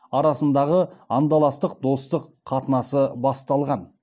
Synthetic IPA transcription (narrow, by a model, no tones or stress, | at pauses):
ɑɾɑsənd̪ɑʁəɑnd̪ɑlˠɑst̪əq̚d̪o̞st̪əqːʰɑt̪ənɑsəbɑst̪ɑlˠʁɑn